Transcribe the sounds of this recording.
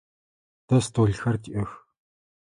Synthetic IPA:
t̪ɐst̪ʰoɮxɐrt̪ʰiʔɐx

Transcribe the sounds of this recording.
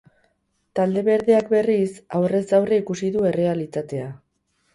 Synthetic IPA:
t̪ald̪e̞βe̞ɾðeak̚be̞risawre̞zɡawreikusiðue̞re̞alit͡sat̪e̞a

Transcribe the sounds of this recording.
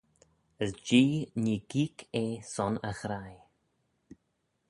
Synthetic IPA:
əsd͡ʒiːniːɡiːkʰeːsɔnəxɾaj

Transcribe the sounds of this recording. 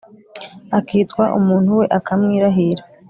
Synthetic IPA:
akiːtkwaʔṵmuːn̥huwe̞ʔakʰamŋiːɾaɦiɾa

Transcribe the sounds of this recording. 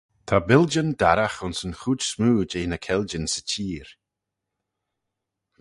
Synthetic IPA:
t̪ʰabɪld͡ʒəndaɾaxʊnsənxuːd͡ʒsmuːd͡ʒeːnəkʰɛld͡ʒənsə̥t͡ʃʰiːɹ

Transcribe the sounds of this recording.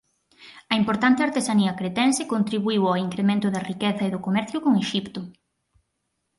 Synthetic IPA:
ɐimpoɾt̪ant̪eaɾt̪esaniɐkɾet̪ɛnsekont̪ɾiβuiwaiŋkɾemẽnt̪ʊðɐrikeθɐeðʊkomɛɾθjʊkoŋeʃipt̪ʊ

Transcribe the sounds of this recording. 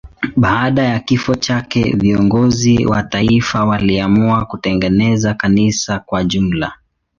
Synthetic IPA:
ɓaːɗajakifɔt͡ʃakɛviɔŋɡɔziwataifawaliamuakutɛŋɡɛnɛzakanisakwaʄum̩la

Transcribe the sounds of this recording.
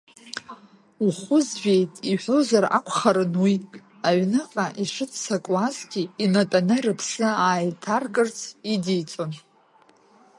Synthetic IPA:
uχʊzʒᶣejtʼiħʷozara̰kʷʰʼχaɾɨnwi | aʕnɨqʼaʔiʂɨtʰsakʼlazɡʲiinatʼanɨrɨpʰsɨaːjtʰarkʼɨrt͡sʰidijt͡sʼon

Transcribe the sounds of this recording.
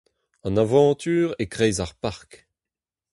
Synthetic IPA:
ɑ̃navɑ̃ːt̪yːʁekʁɛːzaʁpaʁk

